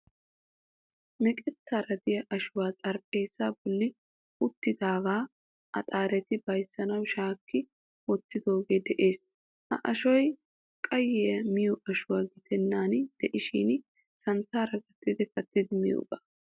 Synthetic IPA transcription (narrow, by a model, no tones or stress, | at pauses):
mɛkʼɛt̪ːaːɾɐd̪ɪjɐʔɐʃʊwaːt͡sʼɐɾpʼe̞ːsaːbɔlːɪ | ʊt̪ːɪd̪aːɡaː | ʔɐ̰t̪ʼaːɾɛt̪ɪbɐjsːɐnɐwʃaːkːɪ | wɔt̪ːɪd̪o̞ːɡe̞ːd̪ɛʔe̞ːs | ʔɐ̰ʔɐʃɔj | kʼɐjːɛjɐmɪjɔʔɐʃʊwaːɡɪt̪ɛnːaːnd̪̥ɛʔɪʃin | sɐnt̪aːɾɐɡɐt̪ːɪd̪ɪkɐt̪ːɪd̪ɪmɪ̰jo̰ɡʼa